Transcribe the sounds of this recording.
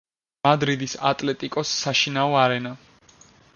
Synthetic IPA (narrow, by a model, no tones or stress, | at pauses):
mad̪ɾid̪isa̰t̪ʼlɛt̪ʼikʼɔsːaʃinaɔaɾɛna